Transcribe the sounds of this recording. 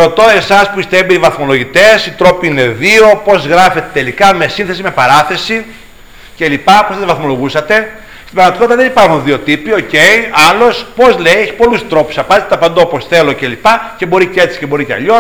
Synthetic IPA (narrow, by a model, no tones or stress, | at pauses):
ɾo̞t̪o̞e̞sɐspuist̪eebeivɐθmo̞lo̞ʝit̪e̞sit̪ɾo̞piine̞ðio̞po̞zɣɾɐfe̞t̪et̪elikɐme̞sĩnθe̞sime̞pɐɾɐθe̞si | ce̞lipɐposðevɐθmo̞lo̞ɣusɐt̪e̞ | st̪ibɐɾmɐt̪ikot̪it̪ɐðenipaɾxunðio̞t̪ipio̞ceiɐlo̞spo̞zleieçi̥po̞lust̪ɾo̞pu̥sɐpɐzt̪et̪ɐpɐnd̪ooposθe̞locelipɐce̞bo̞ɾicee̞t͡si̥cebo̞ɾiceɐ̰ʎo